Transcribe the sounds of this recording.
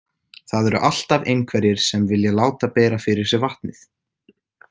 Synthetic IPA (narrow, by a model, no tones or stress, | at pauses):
θaðɛɾʏ̰ʔal̥t̪avejnkʰvɛɾjɪɾ̥sɛmvɪljalaːwt̪apɛːɾafɪɾɪɾ̥sɛvaht̪nɪθ